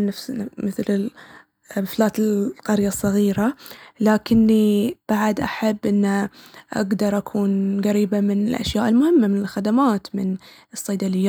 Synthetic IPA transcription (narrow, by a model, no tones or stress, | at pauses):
nːafsamɪθlɪl | flaːt̪ɪqɑɾjasˤːɑɣiːɾalaːkɪnːib̥aʕd̪ʔa̰ħabːʔɪnːaʔa̰ɡd̪ɑɾˤʔakʰuːnɣaɾiːbamɪnɪ̰lʔa̰ʃjaːʔɪlmʊhɪmːamɪnɪlxad̪amaːt̪mɪnɨsˤːɑjd̪alɪjːa